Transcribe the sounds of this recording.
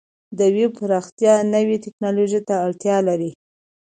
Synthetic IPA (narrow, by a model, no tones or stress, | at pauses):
d̪əwepəɾɑxt̪jɑnəwit̪ɪknɑloʒit̪aːɽt̪jɑlaɾi